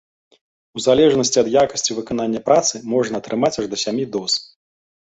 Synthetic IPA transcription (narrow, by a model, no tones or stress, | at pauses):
uzalʲɛʐnɐsʲt͡sʲiɐd̪jakɐsʲt͡sʲivɨkan̪anʲːɐpɾʔat̪sɨmɔʐnɐːt̪ɾʔɨmat͡sʲaʐd̪ɐsʲamʲid̪ɔs